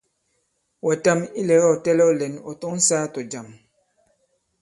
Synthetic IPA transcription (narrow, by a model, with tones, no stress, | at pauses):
wɛ˨ta˦mi˦lɛ˨ɣɛ˦ɔ˨tɛ˦lɛ˦ɔ˦lɛ˨nɔ˨tɔ˦ŋ̩˦saː˦tɔ˨d͡ʒa˨m